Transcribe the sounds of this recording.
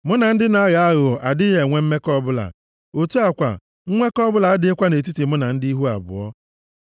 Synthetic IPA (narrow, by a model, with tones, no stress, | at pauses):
mʊ˦na˨n̩˦dɪ˦na˨˦ɣa˨a˦ɣʊ˨a˨dɪ˦je˨ŋʷe˦m̩˦me˦kɔ˦bʊ˦la̰˨ | o˨tu˦a˨kʷa̰˨ | ŋ̩˦ŋʷe˦kɔ˦bʊ˦la˨a˦dɪ˦e˦kʷa˦ne˨t̬i˦ti˨mʊ˦na˨n̩˦di˦ɦu˦a̰˨bʊ̰˨ɔ̰˦